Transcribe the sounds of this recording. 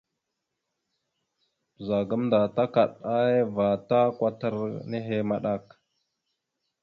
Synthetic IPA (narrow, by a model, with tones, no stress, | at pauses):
pə˨za˨ɡə˦mnda˨ta˦ka˨ɗa˦je˦va˨ta˦kʷa˦tə˦ɾne˦ɦe˦ma˦ɗa˦˨k